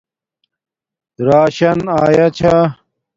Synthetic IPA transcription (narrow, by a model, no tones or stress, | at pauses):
ɾaːɕɐnaːjɐt͡ɕʰa